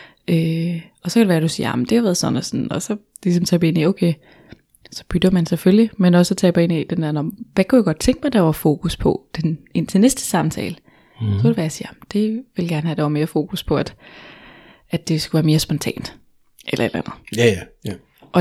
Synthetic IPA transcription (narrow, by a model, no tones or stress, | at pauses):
øɒ̽sɒkeɾ̥eʋæːɐd̥usḭːɐɑ̈m̩d̥e̝hɑʋæːɐðˠsɒ̽næsɒn̩ɒ̽sɒ̽ | lisɒ̽mt͡sʰɛ̰ːb̥e̝nioʊkʰe | sɒ̽b̥yd̥ɐmænseføljimenɒ̽sət͡sʰɛ̰ːb̥ɑe̝nid̥endæɐnɒʋækʰujaɡ̥ɒ̽d̥̚t͡sʰeŋɡ̥mɑɪd̥ɑ̈ʋɑ̈fo̝̰ːkʰuspʰɒ̽d̥ene̝n̰t͡sʰe̝nesd̥ə̥sɑ̈mt͡sʰɛ̰ːlə | ssɒked̥eʋæɐjɑsiːɐɑmənd̥e̝ʋe̝lɡ̥æɐnəhæd̥ɑʋɑ̈me̝ːɐfo̝ːkʰuspʰɒ̽æd̥ | æd̥e̝sɡ̥uʋæːɐme̝ːɐsb̥ɒnt͡sʰɛ̰ːnd̥ | ʔelɐe̝d̥lænð̩ˠ | ʔɒ̽